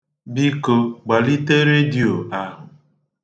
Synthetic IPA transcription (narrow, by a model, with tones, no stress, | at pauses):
bi˦ko˦ɡ͡ba˨li˦te˦ɾe˦di˨o˨a˦ɦʊ˨